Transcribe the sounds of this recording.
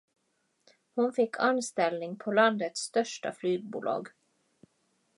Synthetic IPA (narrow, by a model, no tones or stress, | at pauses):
hʊnfɪkʰɑnst̪ɛlnɪŋpʰoːlɑnd̪ət̪st̪œʃʈə̰flyːɡ̚bṵlɑ̰ːɡ